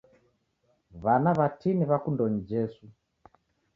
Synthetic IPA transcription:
βanaβatiniβakundɔnid͡ʒɛsu

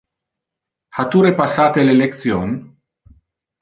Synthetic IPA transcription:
hat̪uɾepasːaːt̪elelek̚t̪sjon

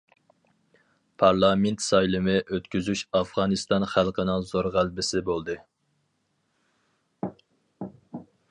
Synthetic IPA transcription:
pʰɑɾlˠɑment̪sɑjlˠɨmɨʔøt̪kʲyzyʃɑfʁɑnɨst̪ɑnχælˠqʰənɨŋzoɾʁælbɪsɪbolˠd̪ɨ

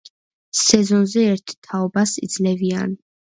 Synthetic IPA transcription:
sɛzɔnzɛɛɾt̪ʰt̪ʰaɔbasḭd̪zlɛvian

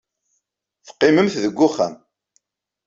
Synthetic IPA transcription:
θqːɪməmθðəɡʷːʊχæ̰m

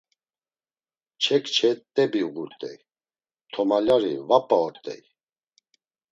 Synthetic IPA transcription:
t͡ʃʰɛkt͡ʃʰɛt̪ʼːɛbiuɡuɾt̪ʼɛ̰j | t̪ʰɔmalaɾivapʼaɔɾt̪ʼɛ̰j

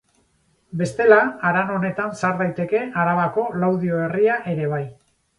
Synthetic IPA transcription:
be̞st̪e̞laːɾano̞ne̞t̪ansaɾðajt̪e̞ke̞aɾaβako̞lawðio̞e̞riaʔe̞ɾe̞β̞aj

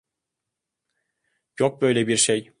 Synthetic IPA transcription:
jok̚bøjlʲɛbiɾʃej

